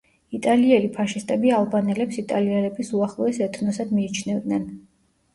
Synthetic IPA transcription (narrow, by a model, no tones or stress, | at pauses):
it̪ʼaliɛlipʰaʃist̪ʼɛbialˠbanɛlɛpsit̪ʼaliɛlɛbisuaχlˠɔɛsɛt̪ʰnɔsad̪miːt͡ʃʰnɛvd̪nɛn